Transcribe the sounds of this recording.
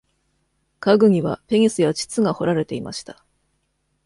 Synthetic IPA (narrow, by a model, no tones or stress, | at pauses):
kaɡɯ̟ɲ̟iβa̰pe̞ɲ̟isɨjat͡ɕi̥t͡sɨɡaho̞ɾaɾe̞t̪e̞ima̰ɕi̥t̪ḁ